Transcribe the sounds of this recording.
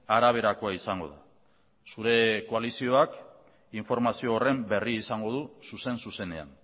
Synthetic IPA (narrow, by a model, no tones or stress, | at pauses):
aɾaβ̞e̞ɾako̞aisaŋɡo̞̰ða | suɾe̞ko̞alisio̞ak | iɱfo̞ɾmasio̞ːre̞mbe̞riːsaŋɡo̞ð̞ususe̞nsuse̞ne̞a̰n